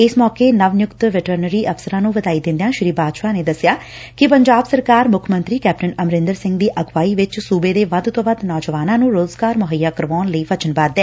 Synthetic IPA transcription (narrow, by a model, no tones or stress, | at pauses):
ɪsmɔːkeːnəʋnjʊkt̪ʋɪʈəɾnəɾiːʔəfsəɾãːnũːʋəd̪aːiːd̪ɪ̃nd̪ejãːʃɪɾiːbaːd̪ʃaːneːd̪əsɪjaː | kɪpəɲd͡ʒaːbsəɾkaːɾmʊkʰmə̃nt̪ɾiːkɛːp̚ʈənəmɾɪ̃nd̪əɾsɪ̃ŋɡd̪iːʔəɡʋaːiːʋɪt͡ʃsuːbeːd̪eːʋəd̪t̪õːʋəd̪nɔːd͡ʒʋaːnãːnũːɾoːzɡaːɾmʊɦəjːaːkəɾʋɔːnləiːʋət͡ʃənbaːd̪ɛː